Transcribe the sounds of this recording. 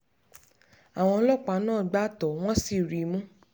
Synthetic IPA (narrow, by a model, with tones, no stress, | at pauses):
a˨w̃ɔ̃˧lɔ˦k͡pa˨˦nãː˦˨ɡ͡ba˦tɔ˨w̃ɔ̃˦si˨ɾi˨˦mũ˦